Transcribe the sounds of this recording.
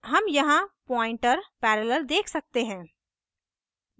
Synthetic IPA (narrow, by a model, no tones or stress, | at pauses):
ɦɐmjɐɦãpɔ̃ːɪ̃ɳʈəɾpɛːɾələld̪eːkʰsɐk̚t̪eɦɛ̃ː